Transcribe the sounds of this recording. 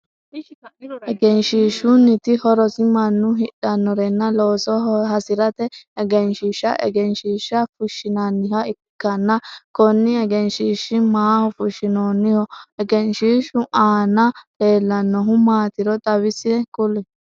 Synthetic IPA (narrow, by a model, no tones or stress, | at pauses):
ʔɛɡɛnʃiːʃʊnɪt̪ɪhɔɾɔsɪmɐnːʊɦɪᶑɐnːɔɾɛnːɐloːsɔɦɐsɪɾɐt̪ɛɛɡɛnʃiːʃɐ̰ʔɛ̰ɡɛnʃiːʃɐfʊʃːɪnɐnɪhɐɪ | kːɐnːɐkɔnːɪɛɡɛnʃiːʃɪmaːhʊfʊʃɪnoːnːɪhɔɛɡɛnʃiːʃʊʔaːnɐle̞ːlːɐnːɔɦʊmaːt̪ɪɾɔt̪ʼɐβɪsɪɛkʊlɛ